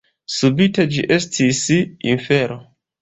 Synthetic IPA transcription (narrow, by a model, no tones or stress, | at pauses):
subite̞d͡ʒiʔe̞stʰisḭnfe̞ɾo